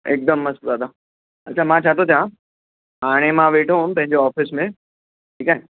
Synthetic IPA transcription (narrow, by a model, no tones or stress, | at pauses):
ek̚d̪əmːɐszaːd̪a | ɐtːʃʰamãt͡ɕʰaːt̪ʰot̪ʰijã | aːɽ̃emãʋeːʈʰoɦʊnɪ̆pɐ̃ɦɪ̃ɲd͡ʑoɔːfɪsmẽ | ʈʰiːkaːɦẽ